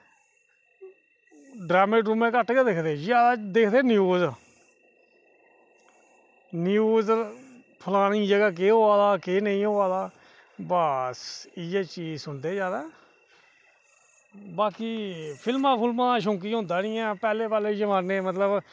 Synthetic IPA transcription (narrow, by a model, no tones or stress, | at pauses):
ɖɾaːmeːʈɾuːmẽːkəʈʰɡeːd̪eːkʰd̪eːzaːd̪aːd̪eːkʰd̪eːnjuːz | njuːz | pʰəlaːnĩːd͡ʒəɡaːk̬eːɦoːaːd̪aːkeːnəĩːɦoːaːd̪aː | bəsɪjeːt͡ʃiːzsʊɳd̪eːzjaːd̪aː | baːkiːpʰɪlmãːpʰɪlmãːʃ̬õːk̬iːɦʊ̃nd̪ãːnɪ̃ːãːpɛːleːpɛːleːd͡ʒəʋãːneːmət̪ləb